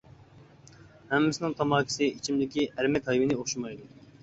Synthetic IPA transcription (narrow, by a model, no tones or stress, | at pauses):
hɛmːɪsɪnɪŋt̪ʰɑmɑːkʰʲi̥sɪit͡ʃʰimd̪ɪkʲiʔæɾmɛkʲhɑjvɨnɪoχʃumɑjd̪u